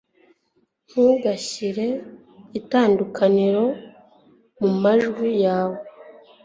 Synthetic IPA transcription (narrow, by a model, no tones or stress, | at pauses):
m̥uɡaɕiɾe̞ | itaːndukʰaniɾo̞ | mumaʒɡwijaːwo